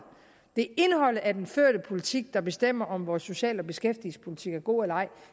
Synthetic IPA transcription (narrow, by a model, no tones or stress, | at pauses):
d̥e̝e̝nhɒ̽l̰əʔæɐd̥enføɐ̰ɾ̥əpʰo̝lit͡sʰiɡ̥̚d̥ɑ̈b̥e̝sd̥em̰ɐʔɒ̽mʋɒːsːo̝ɕɛ̰ːlɒ̽b̥e̝sɡ̥efd̥ilspʰo̝lit͡sʰiɡ̥æɐɡ̥o̝̰ːelɐɑ̈ɪ̰